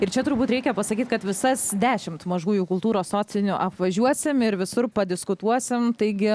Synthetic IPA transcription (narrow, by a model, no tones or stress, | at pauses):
ɪɾt͡ʃʲɛt̪ʊɾbuːt̪ɾʲɛɪkʲɛpɐsɐkʲiːt̪kɐt̪ʋʲɪsɐsd̪ʲæːʃʲɪmt̪mɐʒuːjuːkʊlˠt̪uːɾoːssoːt͡s̪ʲɪnʲʊʔɐpʋɐʒʲuɔsʲɪmɪɾʋʲɪsʊɾpɐd̪ʲɪskʊt̪uɔsʲɪmt̪ɐɪɡʲɪ